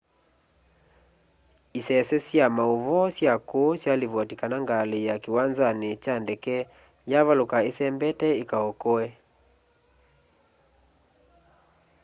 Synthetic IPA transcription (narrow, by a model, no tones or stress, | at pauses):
isɛsɛsjamaoβɔsjakosjaliβɔtikanaŋɡalejakiwanzanet͡ʃandɛkɛ | jaβalokaesɛmbɛtɛekaɔkɔɛ